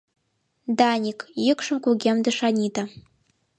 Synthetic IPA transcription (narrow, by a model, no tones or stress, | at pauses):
daːnʲikʰʼjɪkʷʂɨmkʷʊɡʲɛmdɨʂanʲitʰa